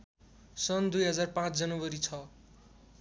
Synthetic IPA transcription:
sʌnd̪ujɦʌd͡zarpãt͡sʰd͡zʌnʌbʌɾit͡sʰʌ

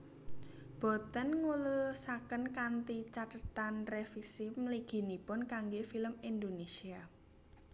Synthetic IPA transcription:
b̥ɔ̤t̪ənŋulusakənkant̪it͡ʃat̪ət̪anrefisimliɡ̥i̤nipʊnkaŋɡefiləmind̪onesia

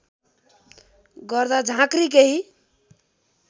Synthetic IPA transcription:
ɡʌɾd̪ad͡ʒʱãkɾik̬eɦi

